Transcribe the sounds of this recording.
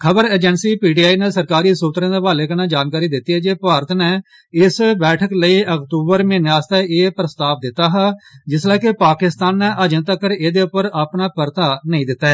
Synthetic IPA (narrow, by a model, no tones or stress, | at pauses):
kʰəbəɾeːd͡ʒənsiːpiːɖiːaːiːneːsəɾkaːɾiːsuːt̪ɾẽːd̪eːʋaːleːkənãːd͡ʒaːnkaːɾiːd̪ɪt̪ːiːɦɛːd͡ʒeːpaːɾət̪nɛː | ɪsbɛːʈʰəkləiːəkt̪uːbəɾmẽːnaːst̪aeːpɾəst̪aːp̚d̪ɪt̪ːaːɦaːd͡ʒɪslɛːkepaːkɪst̪aːnːɛːʔəd͡ʒə̃nt̪əkəɾeːd̪eːʊpːəɾaːpnaːpəɾt̪aːnəĩːd̪ɪt̪ːaɛː